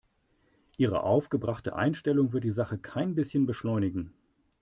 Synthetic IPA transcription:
ʔiːʁ̞ə̰ʔaʊfɡ̥əbʁaχtə̰ʔa̰ɪnʃtɛlʊŋvɪɐtd̥iːzaχəkʰaɪnbɪsçənbəʃlɔʏnɪɡŋ̩

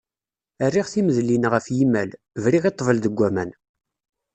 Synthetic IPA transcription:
ərːiʁθiməðlinʁəfjimːæl | vɾiʁit̪ˤːvəlðəɡʷːæmæn

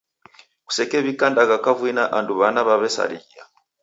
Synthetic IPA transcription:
ku̥sɛkɛβikandaɣakavwinaʔanduβanaβaβɛsa̰ɾija̰

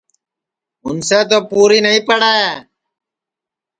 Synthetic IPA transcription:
ɦʊ̰nseːt̪̬oːpuːɾiːnəɦĩːpəɽaːeː

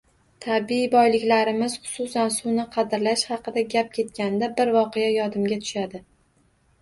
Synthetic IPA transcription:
t̪ʰabibɒjlɪkʲlaɾɪmɪz̥χʊ̥sʊsansʊnɪqʰɑd̪ɪɾlaʃhɑqɨd̪aɡʲap̚kʲʰe̞t̪kʲanɪd̪abɪɾvɒqɨjajɒd̪ɪmɡʲat̪ʰʊ̥ʃad̪ɪ

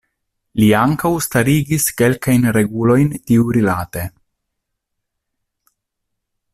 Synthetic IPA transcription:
liaŋkawst̪aɾiɡiskelkajnɾeɡulo̞jnt̪iuɾilat̪e

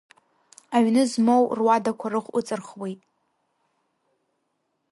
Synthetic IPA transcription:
aɥnɨzmowrwadakʷʰarɨχʷʊ̰t͡sʼɨrχwejtʼ

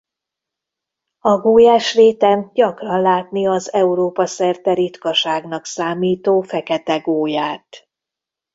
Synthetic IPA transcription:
ɒɡoːjaːʃreːt̪ɛnɟɒkrɒnlaːt̪niɒzɛuɾoːpɒsɛrt̪ɛɾit̪kɒʃaːɡnɒksaːmiːt̪oːfɛkɛt̪ɛɡoːjaːt̪

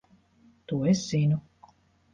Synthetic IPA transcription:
t̪uɔesz̥inʲu

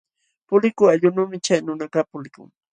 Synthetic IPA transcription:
pʊlɪkʊaʎʊnuːmɪt͡ʃajnʊnakapʊlɪkʊ̰ŋ

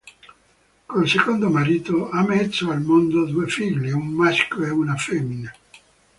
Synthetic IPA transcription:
kolsekond̪omaɾiːt̪oamɛt̪sːoalmond̪od̪uefiʎːiumːaskoɛunafemːine

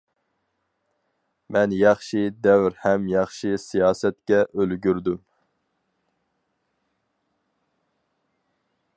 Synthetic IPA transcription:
mɛnjɑχʃid̪ɛwɾhɛmjɑχʃisijɑːsɛt̪̚kʲɛʔølɡʲyɾd̪ym

